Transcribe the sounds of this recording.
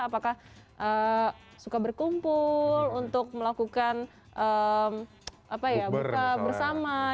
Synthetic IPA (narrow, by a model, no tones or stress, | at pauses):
apakah | ʔə | sukabərkumpʊlunt̪ʊk̚məlakukan | ʔəm | ʔapajababərsama